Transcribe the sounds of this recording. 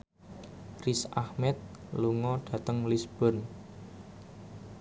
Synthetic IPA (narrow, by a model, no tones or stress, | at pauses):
risahmɛt̪̚luŋɔɖ̥ä̤t̪əŋlisb̥ɔ̤n